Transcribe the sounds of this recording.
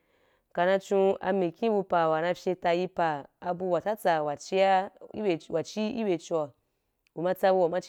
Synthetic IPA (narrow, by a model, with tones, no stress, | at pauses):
ka˨na˧t͡ʃũ˧a̰˧mi˨kʲĩ˦bu˧pa˨wa˨na˧fʲje˧ta˧ji˧paː˨˧bu˧wa˨ta˦t͡sa˨wa˨t͡ʃi˧ja˦e˨wʔa˨t͡ʃi˦ḭ˦be˧t͡ʃa˨ | ɡu˨ma˧t͡sa˧bu˧wa˨ma˦t͡ʃ